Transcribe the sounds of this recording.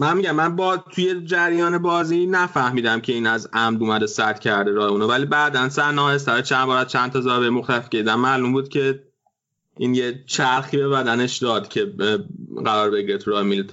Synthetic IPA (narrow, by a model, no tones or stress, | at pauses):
mænmiɟæmːænbɒːt̪ʰujed͡ʒæɾjɒːne̞bɒːzinæfæhmiːd̪æmcʰe̞iːnæzæmd̪uːmæd̪esæt̪cʰæɾd̪e̞ɾɒːheuːnovæliːbæːd̪ænsæɾnæjes̬t̪æɾɒjet͡ʃʰændbɒːɾæd̪̥̚t͡ʃʰænt̪ʰɒzɒːbemoxt̪ʰælfcʲeid̪æmmæːlumbuːd̪cʲʰe̞ | ʔiːnjet͡ʃʰæɾxiːbe̞bæd̪æne̞ʃd̪ɒːd̪cʲʰe̞ | ɢæɾɒːɾbeɟiɾet̪ʰuɾɒːhemilt̪ʰ